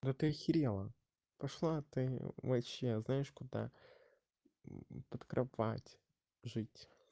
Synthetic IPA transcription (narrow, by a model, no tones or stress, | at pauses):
d̪ot̪ɨxʲɪɾʲɛlˠɐ | pɐʂlˠat̪ɪʋɐɕeznajɪʂkʊd̪a̰ | pət̪kɾʔɐpa̰tʲ | ʐɨtʲ